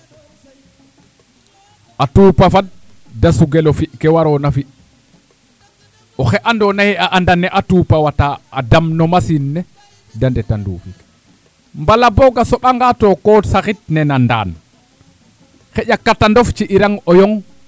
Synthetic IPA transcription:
ʔatuːpafat̚ | dasuɡɛlɔfiʔkɛwaɾɔnafi | ʔɔxɛʔandɔnahɛaʔandanɛʔatuːpawataːdamnɔmasinːɛ | dandɛtandṵfik | mbalabɔɡasɔɓaŋɡatɔkɔsaxit̚nɛnanda̰ːn | xɛɟakːatandɔft͡ʃiʔiɾaŋɔjɔŋ

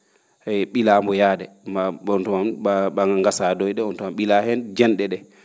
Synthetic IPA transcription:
ɛɓilaːmbɔjadɛ | maɔntɔmaaɓaŋaŋɡasadɔjɗɛɔntɔmamɓilahɛnd͡ʒɛnɗɛɗɛ

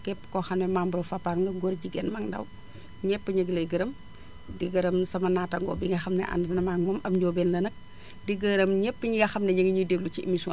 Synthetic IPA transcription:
kɛpːə̥kɔxɐmɛmambɾɐfɐpːaɾŋɡɐɡɔrɟiɡɛnmɐŋdɐ̰w | ɲɛpːəɲəɡəlɐɡəɾɐm | diɡɐɾɐmsɐmɐnaːtɐŋɡɔ̰biŋɡɐxɐmnɛ̰ʔɐ̰nsɐnɐmaŋmɐmɐmɟɔːbɛnlɐnɐk̚ | diɡəɾɐmɲɛpːəɲiŋɡɐxɐmnɛɲəŋɡiɲudeɡlut͡ʃiʔḭmisɔ

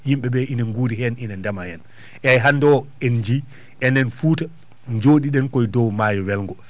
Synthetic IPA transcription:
jimɓɛbɛʔinaŋɡuɾiɦɛninandamajɛn | ʔɛjɦandɔɛnd͡ʒi | ʔɛnɛnfuːta | d͡ʒoːɗiɗɛnkɔjdɔwmaːjɔwɛlŋɡɔ

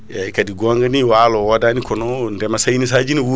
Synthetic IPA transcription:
jakadiɡoŋɡaniwalowodanikonondemasajinis̬ad͡ʒiniwu

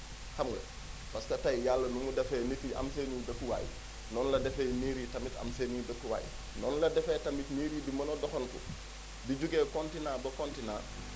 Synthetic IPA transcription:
hamɡɐ̰ | paskɐtajjalːɐnumudɛfɛːnitiʔa̰ms̬enudɐkːuwa̰ːj̰ | nɔnlɐdɛfɛːmiːɾiːtamita̰msenidɐkːuwa̰ːj̰ | nɔːnlɐdɛfɛːtamitmiːɾidimɐnodɔxonkṵ | biɟuɡeːkontinabɐkontina̰ː

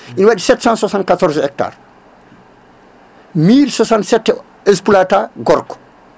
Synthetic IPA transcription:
ʔinwaɗisɛtsãnsasãnkatɔɾzɛk̚ta̰ːɾ | miːlsɔsansɛtːɛ | ɛspulataɡɔɾkɔ̥

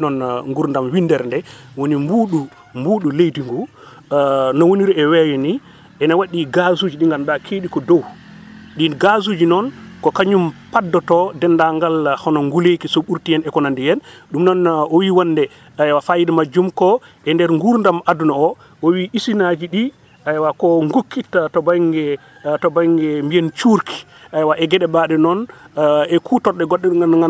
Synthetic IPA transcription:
nɔnŋɡuɾndamwindɛɾndɛwonimbuːɗu | mbuːɗulejdiŋɡu | nɔwoniɾiɛwɛwɛni | ʔɛnawaɗiɡazud͡ʒiɗiŋɡaldakʰeɗikɔdɔw | ɗinɡazud͡ʒinɔnkɔkaɲumpadːɔtɔdɛnːdaŋɡalhɔnɔŋɡulekisɔɓuɾtijɛnɛkɔnandijɛnɗumnɔnɔwiwanːdɛ | ajwafajidɛmad͡ʒumkɔ | ɛndɛɾŋɡuɾndamadunaɔ | ʔɔwiʔisinad͡ʒiɗi | ʔajwakɔŋɡokʰːitːatɔbaŋɡɛ | tɔbaŋɡɛmbijɛnt͡ʃuɾkʰi̥ | ʔajwaʔɛɡɛɗɛɓaɗɛnɔn | ɛkʰutɔːɛɡɔɗːɛaɡan

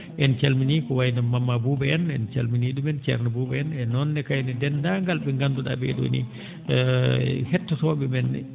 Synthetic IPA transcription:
ʔɛnt͡ʃɛlminikɔwajnɛmːamːabubɛɛnɛnt͡ʃa̰lminiɗumɛnt͡ʃɛ̰ɾnɛbubɛɛnɛnɔnːɛkajnɛdɛndaŋɡalbɛŋɡanduɗa̰bɛ̰ɗo̰nḭ | hɛtːɔtɔbɛmɛnːɛ̰

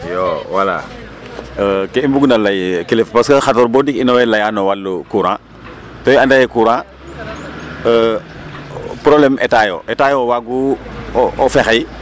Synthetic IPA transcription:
jowala̰ | keimbuɡnalajkilifpaskəxatɔːɾbodikinɔwɛlajanɔwalːukuɾã̰ː | tɔjandajɛkuɾãː | ə | pɾoblɛmɛtajo̰ʔɛtaːjowaɡu | ɔfɛxaj

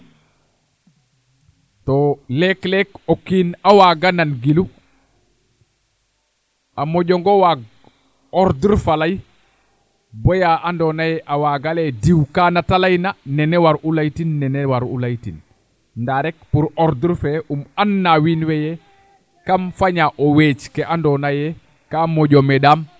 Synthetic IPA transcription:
tɔlɛklɛkokːinawaɡananɡilu | ʔamɔɟɔŋɡɔwaɡ | ɔɾdiɾfalaj | bɔjaʔandɔnajʔawaɡalɛdiwkanatalajnanɛnɛwaɾʔulajtinːɛnɛwaɾṵlajtin | ndaɾɛkpuɾɔɾduɾfɛʔumanːawinwɛjɛ | kamfaɲaʔɔwet͡ʃkɛʔandɔnajɛ | kamɔɟɔmɛdam

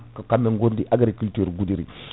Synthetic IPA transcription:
kakameŋɡondiʔaɡɾikultuɾɡudiɾḭ

